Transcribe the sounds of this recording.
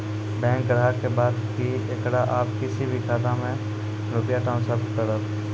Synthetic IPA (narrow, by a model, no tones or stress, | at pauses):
bɛ̃ːŋkɾɦakebaːd̪ki | ekɽaʔaːpkɪsibʱikʰaːt̪amẽ | ɾʊpjaʈãːʊnsəɾt̪kəɾət̪